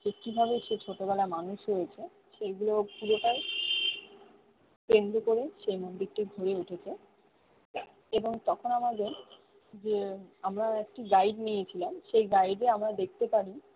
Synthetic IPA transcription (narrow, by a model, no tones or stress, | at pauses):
d͡ʑekibʱabeʃet͡ɕʰoʈobɛlamanuʃɾojet͡ɕʰe | ʃeɡulopuɾoʈaj | pend̪okoɾeʃejmoɖd̪ʱik̚ʈiɡʱoɾeuʈʰet͡ɕʰe | eboŋt̪ɔkʰonamad̪en | d͡ʑeamɾaek̚ʈiɡaiɖnijet͡ɕʰilamʃejɡaiɖeamɾad̪ek̚ʰt̪epaɾi